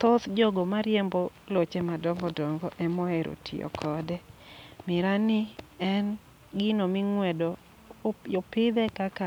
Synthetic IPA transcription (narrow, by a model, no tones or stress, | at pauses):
t̪otd͡ʒoɡomaɾjɛmbolot͡ʃemadɔŋɡɔdɔŋɡɔʔɛmɔɛɾo̰tʰɪ̰ɔ̰kʰɔdɛmɪɾanɪɛn | ɡɪnomɪŋwɛdo | jopɪd̪ɛkaka